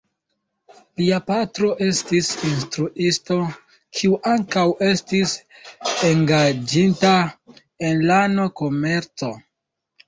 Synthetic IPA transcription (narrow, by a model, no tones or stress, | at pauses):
liapatɾo̞ʔe̞stisinstɾuʔisto̞ | kʰiuʔaŋkawe̞stis | eŋɡad͡ʒinta | e̞nlanoko̞me̞ɾt͡so̞